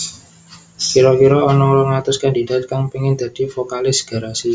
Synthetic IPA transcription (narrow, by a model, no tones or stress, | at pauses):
fiɾɔfiɾɔːnɔŋɾɔŋlat̪ʊskandi̤da̤t̪̚kaŋpiŋɪnd̪̥a̤d̥i̤fokalɪsɡ̥a̤ɾasi